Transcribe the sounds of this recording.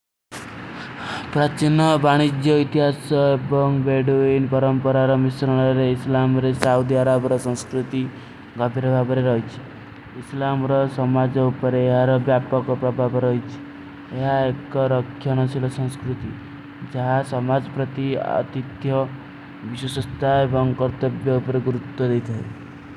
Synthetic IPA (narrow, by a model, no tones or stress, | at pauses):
pɾat͡ʃinɔbaɽ̃id͡ʒjɔit̪iɦasɔebɔŋbeɖuinpɔɾɔmpɔɾaɾɔmisɾɔɽ̃ɔɾeislamɾesaud̪iaɾabɔɾɔsɔ̃skɾut̪i | ɡabʱiɾɔbʱabɔɾeɾɔɦit͡ʃʰi̥ | islamɾɔsɔmad͡ʒɔupɔɾeːɦaɾɔbjapɔkɔpɾɔbʱabɔɾɔɦit͡ʃʰi̥ | eɦaekɔɾɔkʰːjɔnɔsilɔsɔ̃ŋskɾut̪i | d͡ʒaɦasɔmad͡ʒɔpɾɔt̪iɔ̰t̪it̪jɔ | biswɔsɔst̪ʰaebɔŋkɔɾt̪ɔbjɔupɔɾeɡuɾut̪ːɔd̪ejt̪ʰae